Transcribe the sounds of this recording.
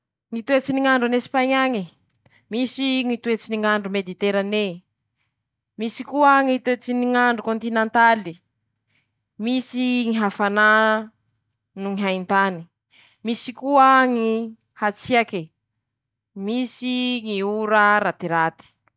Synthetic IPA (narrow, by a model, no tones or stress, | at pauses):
ŋit̪uet͡siniŋaɳɖ͡ʐanesi̥paɲaŋi | misiŋit̪uet͡siniŋaɳɖ͡ʐumed̪it̪eɾane | misikuəŋit̪uet͡siniŋaɳɖ͡ʐukõnt̪inẽnt̪ali | misiŋiɦafana | nuŋiɦaint̪ani̥ | misikuaŋi | hat͡siake | misiŋiuɾaɾat̪iɾat̪i̥